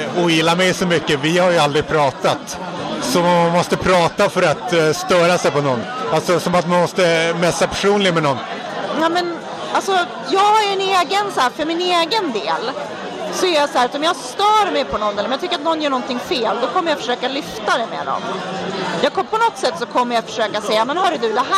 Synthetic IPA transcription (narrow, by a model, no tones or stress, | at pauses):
ɔjɪlːamɛjsɔmʏkːəvɪhaɾjɵald̪ɾɪpʰɾɑːt̪at̪ | sɔmɔmanmɔst̪əpʰɾɑːt̪afœɾat̪st̪œːɾasɛjpɔnɔnːalsɔsɔmat̪manmɔst̪əmɛsːapʰæʂuːnlɪɡmɛnɔnː | nɛmɛn | alsɔ | jɑːɡaæɾɛneːɡənsæːfœɾmɪneːɡənd̪eːl | sɔæɾjasahæːɾat̪ɔmjɑːst̪œːɾmɛjpʰɔnɔnːɛlːmɛnjɑt̪ʏkːɾat̪̚nɔnːjœːɳɔnt̪ɪŋːfeːld̪ɔkʰɔmːəjafœ̥ʂøːkalʏft̪ad̪ɛmḛd̪ɔ̰n | jɑːkɔpʰɔnɔt̪ːsɛt̪ːsɔkʰɔmːəjat̪fœ̥ʂøːkasɛjːamɛnɦaɾɵd̪ɵd̪ɛɦæ